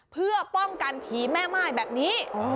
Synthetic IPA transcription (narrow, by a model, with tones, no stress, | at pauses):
pʰɯ˥˩ɐpɔ˥˩ŋka˧npʰiː˩˦mɛː˥˩maː˥˩jbɛː˨˩p̚niː˦˥˧